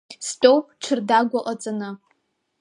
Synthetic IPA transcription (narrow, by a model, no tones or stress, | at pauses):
stʼowʈ͡ʂʷʰɨrdaɡʷaʔʼat͡sʼanɨ